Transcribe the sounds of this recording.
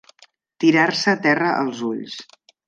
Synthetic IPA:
t̪iɾaɾsəːt̪ɛrəʔə̰lˠzuʎs

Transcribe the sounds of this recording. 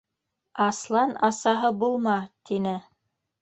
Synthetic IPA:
ɑslˠɑnɑsɑɦɤbulˠmɑt̪inɘ

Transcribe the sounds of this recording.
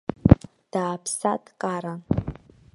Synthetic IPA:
d̥aːpʰsadkʼaɾa

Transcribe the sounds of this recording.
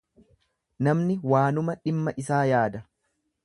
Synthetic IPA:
nɐmnɪwaːnʊmɐᶑɪmːɐʔɪsaːjaːd̪ɐ

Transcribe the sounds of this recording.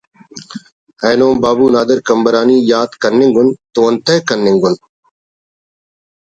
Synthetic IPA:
heːnoːmbaːbuːnaːd̪əɾkəmbəɾaːniːjaːd̪kənːɪ̃ŋɡʊnt̪oːənt̪ʰəːkənːɪ̃ŋɡʊn

